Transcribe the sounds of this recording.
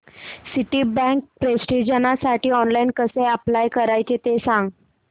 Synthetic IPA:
siʈiːbɛ̃ŋk̚pɾesʈid͡ʑənasaʈiːɔnlainkəseəplajkəɾajt͡ɕet̪esãŋɡ

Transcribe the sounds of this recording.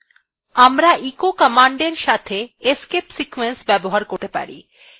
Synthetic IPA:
amɾaʔikokəmaɳɖeɾʃat̪ʰeeskepsikuwensbɛboɦaɾkoɾt̪epa̰ɾḭ

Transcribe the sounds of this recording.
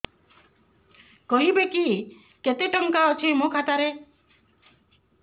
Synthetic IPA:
kɔɦibeki | ket̪eʈɔŋkaɔt͡ʃʰimokʰat̪aɾe

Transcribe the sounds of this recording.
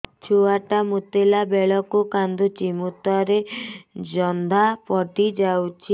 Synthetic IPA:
t͡ʃʰuaʈamut̪elabeɭɔkukand̪ut͡ʃimut̪ɔɾed͡ʒɔnd̪ʱapɔʈid͡ʒawt͡ʃʰi

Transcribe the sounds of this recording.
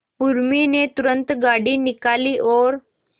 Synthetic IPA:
puɾminet̪uɾənt̪ɡaɽiːnikaliːʔɔɾ

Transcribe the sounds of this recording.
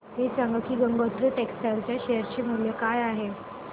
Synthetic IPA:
ɦet͡saŋɡk̪ʰiːɡəŋɡot̪ɾəʈeksʈalt͡ɕjaɕejəɾt͡ɕem̤uljəkajaɦe

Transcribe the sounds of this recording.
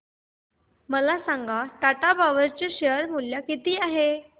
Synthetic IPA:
məlasaŋɡat̪aʈabʱaʋəɾt͡ɕeɕəɾmuljakit̪iːaɦe

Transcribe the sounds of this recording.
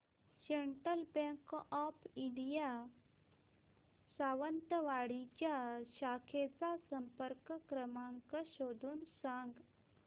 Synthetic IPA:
ɕeɳʈəlbẽŋkɔpiɖija | saʋənt̪əʋaɽit͡ɕjaɕakʰet͡sasəmpəɾkkɾəmãŋkaɕod̪ʱuːnsaŋɡ

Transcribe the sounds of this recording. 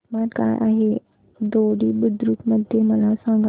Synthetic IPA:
maɾka̰jʔa̰ɦe | d̪oɽiːbud̪ɾuːt̪məd̪ʱjeməlasãŋɡa

